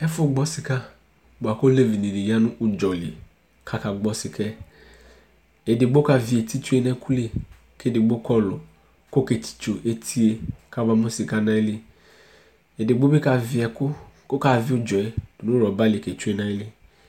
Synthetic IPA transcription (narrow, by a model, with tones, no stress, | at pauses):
ɛ˦fʊ˦ɡ͡bɔ˦sɪ˨ka˦ | bʊ˨a˨ko˦le˦vi˨ni˨di˨ja˦nʊ̃˦ʔʊ˨d͡ʒɔ˨lɪ˨e˨ | kʰa˨ka˨ɡ͡bɔ˦sɪ˨kʰɛ˦ | e˨dɪ˨ɡ͡bo˦ka˨vi˨e˨tʰi˦tu˦e˦nɛ̃˦ku˦le˦˨ | ke˦dɪ˨ɡ͡bo˦kʰɔ˦lʊ˨ | kʊ˦ke˨tʰi̥˨t͡ʃo˨ʔe˦tʰi˦e˨kʰa˨ba˦mʊ̃˦sɪ˨ka˦nã˦ɪ˦lɪ˦ | e˨dɪ˨ɡ͡bo˦be˦ka˨vɪ˨˦ɛ˨kʊ˦kʊ˦ka˨vɪ˦ʊ˦d͡ʒɔ˨ɛ˨˦˨nʊ̃˦ɾɔ˨ba˦lɪ˨ke˨t͡ʃu˦e˦nã˦ɪ˦lɪ˦